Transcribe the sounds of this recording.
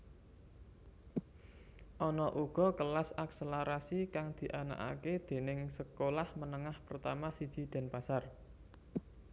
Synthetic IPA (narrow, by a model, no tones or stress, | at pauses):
ʔɔnɔʔuɡ̥ɔ̤kəlasakseləɾasikaŋd̪̥i̤ʔana̰ʔa̰ked̪̥e̤nɪŋsəkolahmənəŋahpərt̪amasid̥ʒ̥i̤d̪̥a̤npasar